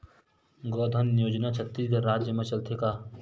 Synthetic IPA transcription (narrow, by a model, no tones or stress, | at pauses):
ɡɔːd̪ʱənːɪjoːd͡ʒnat͡ʃʰɐt̪ːisɡ̪ɐɾɾaːd͡ʒjəmẽt͡ʃɐlt̪ʰekaː